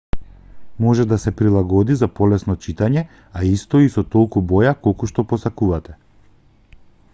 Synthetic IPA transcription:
mɔʒɛd̪asɛpɾilˠaɡɔd̪izapɔlɛsnɔt͡ʃit̪aɲɛ | aist̪ɔisɔt̪ɔlˠkubɔjakɔlˠkuʃt̪ɔpɔsakuvat̪ɛ

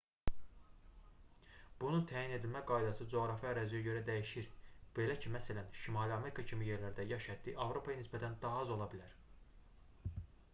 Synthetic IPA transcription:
b̥ununt̪ʰæjine̞d̪ilmæɡɑjd̪ɑsɯd͡ʒo̞ɣɾɑfiæɾæzijæɟø̞ɾæd̪æjiʃiɾb̥e̞læcʰimæsælænʃimɑliɑme̞ɾikʰɑcʰimije̞ɾlæɾd̪æjɑʃæd̪ːiʔɑvɾo̞pʰɑjɑnisbæt̪ʰænd̪ɑɑzo̞lˠɑbilæɾ

